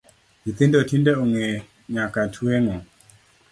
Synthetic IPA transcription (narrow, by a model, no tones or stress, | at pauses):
it̪indɔtʰindɛuŋɛ | ɲakatʰuɛŋɔ